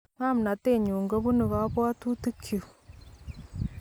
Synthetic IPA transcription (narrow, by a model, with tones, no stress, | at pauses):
ma˦mu˨na˨te˦˨ɲuː˨ŋɡa˦βu˦nu˨βa˦βwaː˦tu˦tu˦kʰi˨